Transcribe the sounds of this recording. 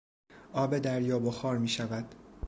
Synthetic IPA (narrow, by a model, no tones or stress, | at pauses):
ʔɒːbe̞d̪æɾjɒːboxɒːɾmiːʃævæd̪̥